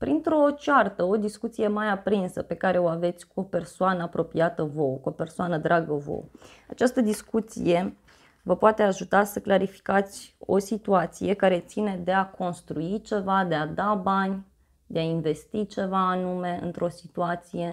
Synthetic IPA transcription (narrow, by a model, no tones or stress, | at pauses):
pɾint̪ɾo̞t͡ʃart̪əo̞d̪iskut̪sije̞majapɾinsəpe̞kaɾe̞o̞ave̞t̪sʲkuope̞rsoanəapɾo̞piat̪əvo̞kuo̞pe̞rsoanəd̪ɾʔaɡəvo̞̰w | a̰t͡ʃast̪əd̪iskut̪sḭje | vəpoat̪e̞aʒut̪asəklaɾifi̥kat̪sʲo̞̰sit̪uat̪sije̞kaɾe̞t̪sine̞d̪e̞akʰo̞nst̪ɾuit͡ʃe̞vad̪e̞ad̪abanʲ | d̪eainve̞st̪it͡ʃe̞vaːnume̞ɨ̰nt̪ɾo̞si̥t̪uat̪sije̞